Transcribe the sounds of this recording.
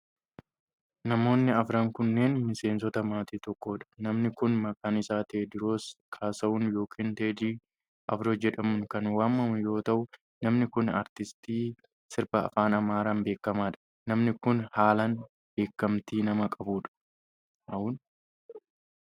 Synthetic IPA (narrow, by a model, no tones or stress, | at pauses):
nɐmo̞ːnːɪɐfɾɐŋkʊnːe̞ːnmɪse̞ːnsɔt̪ɐmaːt̪iːt̪ɔkːo̞ːᶑɐ̥nɐmnɪkʊnmɐkanɪsaːt̪eːd̪ɪɾoːskʰaːsɐʊnjo̞ːkʰiːnt̪eːd̪iː | ʔɐfɾoːd͡ʒɛᶑɐmʊŋkɐnwaːmːɐmʊjo̞ːt̪ɐʔʊ | nɐmnɪkʊnɐ̰ɾt̪ɪst̪iː | sɪɾbɐ̰ːfaːnɐmaːɾaːnbe̞ːkːɐmaːᶑɐ̥ | nɐmnɪkʊnhaːlɐn | b̥e̞ːkːɐmt̪iːnɐmɐkʼɐbuːᶑɐ̥ | ɐun